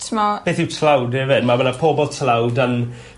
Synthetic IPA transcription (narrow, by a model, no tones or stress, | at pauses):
tʰmab̥eːθɪwtʰlawdɛːvɪdmabənapʰɔbɔlˠtʰlawdən